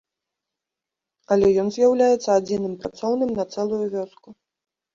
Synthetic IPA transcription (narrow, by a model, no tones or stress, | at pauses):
ɐlʲɛjɔnzʲjawlʲajɛt̪sːɐad͡zʲinɨmpɾat̪sɔwnɨmnɐt̪sɛlˠujuvʲɔsku